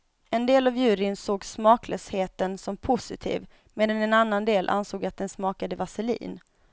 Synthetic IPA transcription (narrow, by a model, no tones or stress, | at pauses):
ɛnd̪eːlavjʉ̟ːɾɪnsoːɡsmɑːklœːsheːt̪ənsɔmpʰʊsɪt̪ʰḭːv | meːd̪anɛnanːand̪eːlʔa̰nsoːɡat̪̚d̪ɛnsmɑːkad̪əvasɛlḭːn